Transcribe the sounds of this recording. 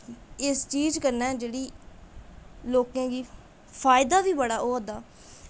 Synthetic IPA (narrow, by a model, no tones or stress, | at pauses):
ɪst͡ʃiːd͡ʒkəɾnɛ̃ːd͡ʒeːɽiː | loːkãːɡiː | pʰaːɪd̪aːʋiːbəɽaːʔoːɦəd̪aː